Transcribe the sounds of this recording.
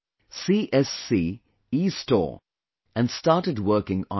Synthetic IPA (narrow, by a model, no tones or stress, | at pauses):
siʔɛsi | istɔ̰ɹ | ɨ̃nstɑɹɾɨd̚wɜˑ˞kɪ̃ŋə̃